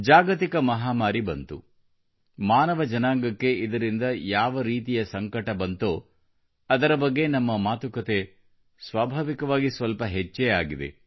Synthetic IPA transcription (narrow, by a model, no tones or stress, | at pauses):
d͡ʒaːɡɐt̪ikɐmɐɦaːmaːɾibɐnt̪ṵ | maːnɐʋɐd͡ʒɐnaːŋɡɐkːe̞id̪ɐɾind̪ɐjaːʋɐɾiːt̪ijɐsɐŋkɐʈɐbɐnt̪oː | ɐd̪ɐɾɐbɐɡːe̞nɐmːɐmaːt̪ukɐt̪e | sʋaːbʱaːʋikɐʋaːɡisʋɐlpɐɦet͡ʃːeaːɡid̪ḛ